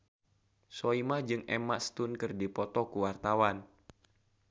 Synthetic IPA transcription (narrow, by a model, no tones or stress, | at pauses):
soimahd͡ʒɨŋɛmaʔst̪unkɨrdipɔt̪ɔkuwart̪awan